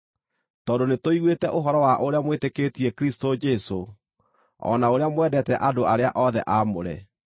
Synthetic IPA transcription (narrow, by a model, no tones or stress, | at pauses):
tɔdonetoiɣwetɛʔoɦɔɾɔwaʔoɾeamweteketiɛkɾistod͡ʒɛso | ɔ̰naoɾeamwɛdɛtɛʔadoaɾeaʔɔðɛ̰ʔamo̰ɾɛ̰